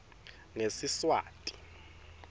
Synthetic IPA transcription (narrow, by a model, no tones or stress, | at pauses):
nesiswa̰ːtʼi̥